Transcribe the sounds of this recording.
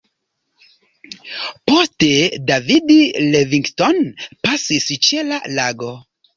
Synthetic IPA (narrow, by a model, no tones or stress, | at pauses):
po̞ste̞davidileviŋktonpasist͡ʃe̞lalaɡo̞